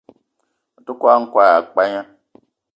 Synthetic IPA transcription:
o˨tu˦kʷa˦ŋ̩˦kwa˨a˨k͡pa˦ɲa˦

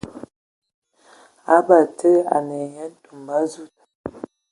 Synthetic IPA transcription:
a˦ba˨tʰə˦a̰˨nɛ˨ɲɛ˦du˨mba˦zu˦˨t

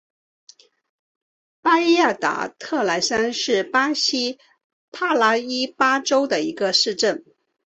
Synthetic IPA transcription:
pa˥i˥ja˥˩t̪a̰˨˩˦t̪ʰɤ˥˩la˧˥ɪsa˥nʂɻ̩˥˩pa˥ɕi˥ | pʰa˥˩la˥i˥pa˥ʈ͡ʂo˥ʊd̪ə˨i˧˥ɡə˧ʂɻ̩˥˧ʈ͡ʂə˥˩n

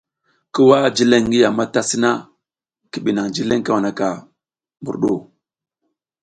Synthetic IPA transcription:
ki˦wa˦˨d͡ʒi˦le˦ŋː˦ɡi˦ja˨ma˦ta˦si˦na˦ | ki˨ɓi˨na˨ŋd͡ʒi˦le˦ŋka˦wa˨na˨ka˨ | mu˨ɾɗo˦˨

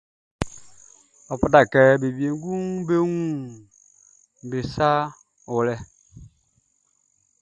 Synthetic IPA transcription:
ɔ˨pu˨ta˨kɛ˦be˨bi˨e˨ŋ˦ɡu˦ŋbe˦wũ˦ | m˨be˨sa˦ | o˨lɛ˦

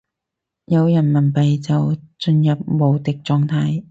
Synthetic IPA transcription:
jɐ˨˧wjɐ˨˩nmɐ˨˩npɐ˨jt͡sɐ˨wt͡ʃɵ˧njɐ˨p̚mo˨wt̪ɪ˨k̚t͡sɔː˨˧ŋt̪ʰaː˨˥j

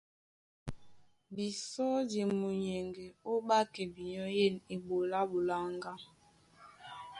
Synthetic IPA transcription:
bi˨sɔ˦di˨mu˨ɲɛ˨ŋɡɛ˨o˦ɓa˦kɛ˨bi˨ɲɔ˦je˦˨ni˨bo˨la˦bu˨la˦ŋɡa˦

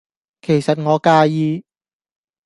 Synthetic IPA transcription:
kʰe˨˩jsɐ˨t̚ŋɔː˨˧kaː˧jiː˧

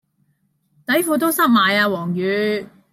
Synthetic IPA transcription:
t̪ɐ˨˥jfuː˨˧t̪o˥wsɐ˥k̚maː˨˧jaː˧wɔː˨˩ŋjyː˨˧

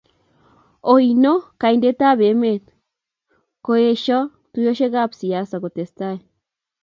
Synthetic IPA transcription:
o˨jno˦ka˨inde˦t̪a˦βe˨me˦t̪ | ko˧e˧ʃo˦ | t̪u˧jo˦ʃe˦ɣa˦psia˦sako˨t̪e˨st̪ae

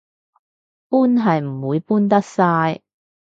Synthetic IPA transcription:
puː˥nɦɐ˨jm̩˨˩wuː˨˧jpuː˥nt̪̬ɐ˥k̚saː˧j

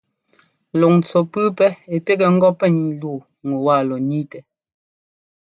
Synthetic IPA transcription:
lɔ˨ŋn˨t͡sɔ˨pʉ˦pɛ˦e˨pe˦kɛ˨ŋ̩˦ɡɔ˦pɛ˦ŋ˨luː˦˨ | ŋu˨waː˦˨lɔ˨ni˦tɛ˨

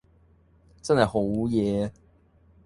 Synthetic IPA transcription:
t͡sɐ˥nhɐ˨jho˨˥wjɛː˨˧

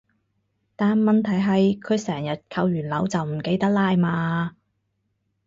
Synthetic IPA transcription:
t̪aː˨nmɐ˨nt̪ʰɐ˨˩jɦɐ˨jkʰɵ˨˧ɥsɛː˨˩ŋjɐ˨t̚kʰɐ˧wjyː˨˩nlɐ˨˧˥wt͡sɐ˨wm̩˨˩ke˧jt̪ɐ˥k̚laː˧jmaː˧

